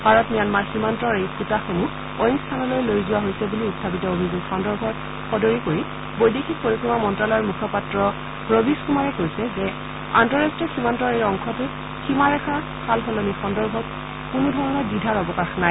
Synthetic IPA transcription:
bʱaɹɔtnijanmaɹximantɔɹejkutaxomu | ojnstʰanɔlojlojzʊwaɦojsɛbuliutdabitɔobʱizuɡxɔndɔɹbʱɔt | xɔdoɹikoɹi | bojdixʰik̚poɹikɹimamɔntɹalɔjɔɹmukʰɔpatɹɔ | pɹobiskumaɹɛkojsɛzɛ | antɔɹastɹiɔximantɔɹejɔŋkʰɔtʊ | ximaɹɛxʰa | kʰalxɔlonixɔndɔɹbʱɔk̚ | kunʊdʱɔɹɔnɔɹdidʱaɹɔbɔkaxnaj

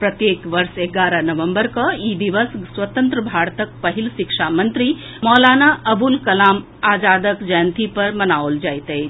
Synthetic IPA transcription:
pɾɐt̪jeːkʋɐɾʃeɡaːɾənɐʋəmbəɾkɐiːd̪iʋəsswɐt̪ə̃nt̪ɾəbʱaːɽt̪ək̚pɐɦilʃikʃamɐ̃nt̪ɾi | mɔːlaːnaʔɐbulkɐlaːm | aːd͡ʒaːd̪əkd͡ʒəːnt̪ipɐɾmɐnaːold͡ʒaːjt̪ej

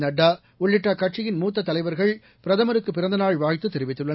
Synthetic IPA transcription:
nɐɖːaː | ʊɭːɪʈːaːkɐʈʂɪjɪnmuːt̪̬ːɐt̪ːɐlɐɪʋɐɾɣɐɭ | pɪɾɐðɐmɐɾɯkːɯpːɪɾɐnd̪ɐnaːɭʋaːjt̪ːɯt̪ːɛɾɪʋɪt̪ːɯɭːɐn

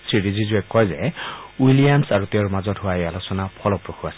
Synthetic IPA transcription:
sʰɹiɹizizuɛkːɔjzɛwilijamsaɹuteʊɹmazɔtɦʊwajalosɔnapʰɔlɔpɹoxʰuasɛ

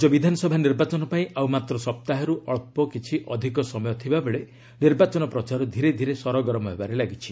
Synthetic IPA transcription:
d͡ʒɔbid̪ʱanɔsɔbʱaniɾbat͡ʃɔnɔpaĩʔawmat̪ɾɔsɔp̚t̪aɦɔɾuʔɔɭpɔkit͡ʃʰiʔɔd̪ʱikɔsɔmɔjɔt̪ʰibabeɭe | niɾbat͡ʃɔnɔpɾɔt͡ʃaɾɔd̪ʱiɾed̪ʱiɾesɔɾɔɡɔɾɔmɔɦebaɾelaɡit͡ʃʰi̥

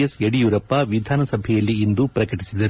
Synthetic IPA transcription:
ɐseɽijuːɾɐpːɐʋid̪ʱaːnɐsɐbʱɛjɐlːiːnd̪upɾɐkɐʈisid̪ɐɾu

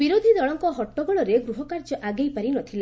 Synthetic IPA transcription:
biɾod̪ʱid̪ɔɭɔŋkɔɦɔʈːɔɡɔɭɔɾeɡɾuɦɔkaɾt͡ʃɔʔaɡejpaɾinɔt̪ʰila

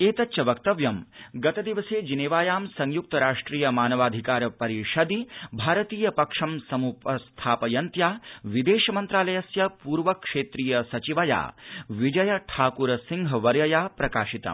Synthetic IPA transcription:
eːt̪ɐtːʃɐʋɐk̚t̪ɐʋjɐmɡɐt̪ɐd̪iʋɐseːd͡ʒineːʋaːjaːmsɐŋjuk̚t̪ɐɾaːʂʈɾiːjɐmaːnɐʋaːd̪ʱikaːɾɐpɐɾiʃɐd̪ibʱaːɾɐt̪iːjɐpɐkʂɐmsɐmupɐst̪ʰaːpɐjɐnt̪jaːʋid̪eːʃɐmɐnt̪ɾaːlɐjɐsjɐpuːɾʋɐkʂeːt̪ɾiːjɐsɐt͡ʃiʋɐja̰ːʋid͡ʒɐjɐʈʰaːkuɾɐsiŋɡʱɐʋɐɾjɐjaːpɾɐkaːʃit̪ɐ̰m

